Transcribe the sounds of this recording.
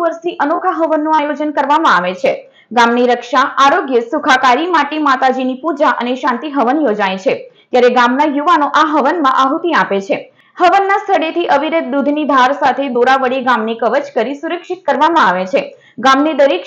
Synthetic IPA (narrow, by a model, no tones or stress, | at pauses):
ʋəɾsiʔənokʰaɦəʋənːũajod͡ʒənkəɾʋamãaʋet͡ʃʰe | ɡamniɾəkʃaʔaɾoɡjəsukʰakaɾimaʈimat̪ad͡ʒinipud͡ʒaʔə̰neʃãnt̪iɦəʋənjod͡ʒajt͡ʃʰet̪jaɾeɡamnajuʋanoʔaɦəʋənmãʔaɦut̪iapet͡ʃʰe | həʋənːast̪ʰəɽet̪ʰiʔəʋiɾəd̪̚d̪ud̪ʱnid̪ʱaɾsat̪ʰed̪oɾaʋəɽiɡamnikəʋət͡ʃkəɾisuɾəkʃit̪̚kəɾʋamãaʋet͡ʃʰe | ɡamnid̪əɾek